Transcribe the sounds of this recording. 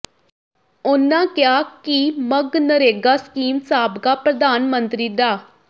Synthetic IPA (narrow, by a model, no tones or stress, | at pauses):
ʊnːãːkɪjaːkiməɡnəɾeːɡaːsə̥kiːmsaːbkaːpɾəd̪aːnmənt̪ɾiːd̪aː